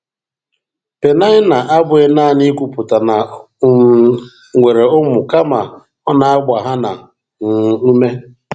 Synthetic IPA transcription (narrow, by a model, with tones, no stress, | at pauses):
pe˨na˦ɪ˦na˨ʔa˦bʊ˦e˦naː˦˨ni˦kʷu˦˨pʊ˨ta˨na˨˦ | ŋʷe˨ɾe˨ʊ˦mʊ˨ka˦ma˨ | ɔ˦na˨a˦ɡ͡ba˨ɦa˦na˨ | ŋ̩˨nu˦me˦